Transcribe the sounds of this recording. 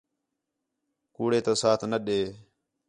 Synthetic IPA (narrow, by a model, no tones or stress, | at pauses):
kuːɽeːt̪ãːsaːt̪ʰnəɗeː